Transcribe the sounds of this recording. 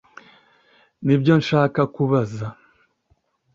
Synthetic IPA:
nibjo̞nʃaːkakuβaza

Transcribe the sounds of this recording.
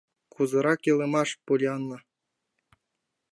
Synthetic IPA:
kuzɤ̆ɾɑkjɤ̆lˠĕmɑʂpulʲɑnlˠɤ̆

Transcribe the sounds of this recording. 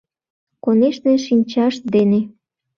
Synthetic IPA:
koneʃneʃinʲt͡ɕɑʃd̪ene

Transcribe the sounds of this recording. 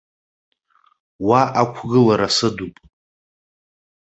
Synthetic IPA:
waʔakʷʰɡɨlaɾasɨdupʼ

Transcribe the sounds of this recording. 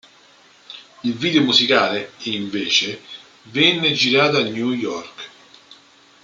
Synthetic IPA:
ilviːd̪eomuzikaːleiɱvɛːt͡ʃe | vɛnːed͡ʒiɾaːt̪oanːjujɔrk

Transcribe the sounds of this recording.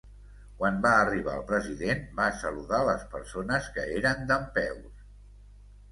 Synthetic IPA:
kwanbaːriβ̞a̰əlˠpɾəziðenbasəluðaləspəɾsonəskəeɾənd̪əmpɛws

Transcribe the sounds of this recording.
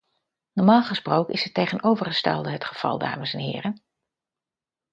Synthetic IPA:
nɔɹmaːlˠχəsprowkənʔɪsətːejχənowvərχəstɛ̰lˠdəɦətχəv̥ɑ̰lˠda̰ːməsɛnɦɪ̰ːrən

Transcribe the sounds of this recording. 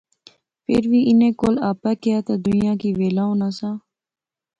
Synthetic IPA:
pʰɪɾʋiːʔɪnẽːkoːlaːpɛːkɪjaːt̪aːd̪ʊnijãːkiːʋeːlaːõːnasãː

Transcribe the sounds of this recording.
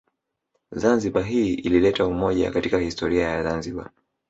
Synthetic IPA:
zanziɓaɦiːililɛtaumɔʄa̰katikahistɔɾiajazanziɓa̰

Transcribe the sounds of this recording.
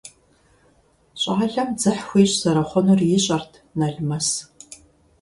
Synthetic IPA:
ɕʼaːɮɐmd͡zɨħxʷiːɕʼzɐɾɐχʷɔnurjɪɕʼɐrtʰnɐɮmɐs

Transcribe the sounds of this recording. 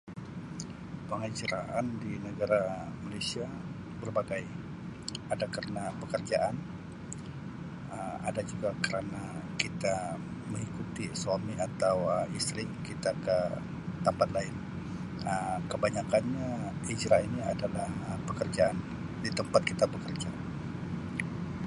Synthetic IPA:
pəŋəd͡ʒɾaʔandinəɡaɾamalesia | bərbaɡaj | adakaɾənapəkərd͡ʒaʔan | əmadad͡ʒuɡakəɾanakit̪aməŋikut̪isamiat̪awəmist̪ɾikit̪akə | t̪əmpat̪laɪn | əmkəbaɲakanɲaid͡ʒɾainiadalahəpəkərd͡ʒaʔan | dit̪əmpat̪̚kit̪abəkərd͡ʒa

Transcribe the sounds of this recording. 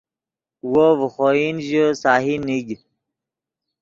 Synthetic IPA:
wovəχoːinʑəsaːɦiniɡ

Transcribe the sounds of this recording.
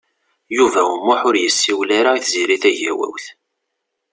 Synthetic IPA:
juvæəmːʊħʊɾjəsːiwlaɾaiθziɾiθæʝæwæ̰wθ

